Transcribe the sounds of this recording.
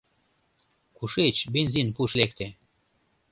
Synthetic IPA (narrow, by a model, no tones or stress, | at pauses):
kuʃet͡ɕbenzinpuʃlek̚t̪e